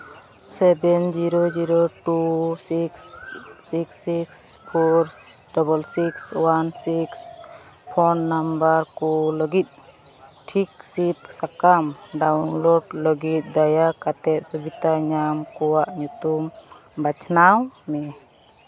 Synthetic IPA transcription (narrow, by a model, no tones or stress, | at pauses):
sɛbɛnd͡ʒiɾod͡ʒiɾoʈusiksːiksikspʰɔɾɖɔbɔlsikswansiks | pʰɔnːambəɾkɔləɡit̪̚ | ʈʰik̚sit̪̚sakamɖawnloɖləɡit̪̚d̪ajakat̪ɛt̪̚subit̪aɲamkɔwaʔɲut̪um | bat͡ʃʰnawmɛ